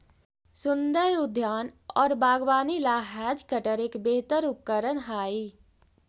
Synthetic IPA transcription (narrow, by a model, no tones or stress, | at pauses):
sʊ̃nd̪əɾʊd̪ʱjaːnɔːɾbaːɡwaːnilaːɦɛːd͡ʒkəʈəɾeːkbeːt̪əɾʊp̚kəɾənɦaːiː